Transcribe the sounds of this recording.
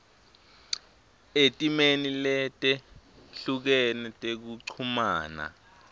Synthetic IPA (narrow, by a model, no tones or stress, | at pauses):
etʼimenilɛtʼɛɬuk̬ɛnɛtʼek̬uǀʰumaːna̰